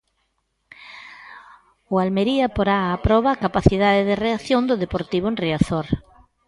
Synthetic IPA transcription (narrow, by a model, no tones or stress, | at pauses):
ʊalmeɾiapoɾaːpɾɔβakapaθið̞aðeðɪreaθjond̪ʊðepoɾt̪iβ̞ʊenriaθoɾ